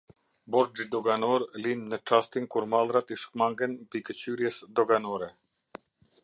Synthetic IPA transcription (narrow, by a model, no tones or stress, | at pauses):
boɾd͡ʒid̪oɡanoɾlinːəʈ͡ʂast̪iŋkuɾmalˠɾat̪iʃkmaŋɡənpikət͡ɕyɾjɛsd̪oɡanoɾɛ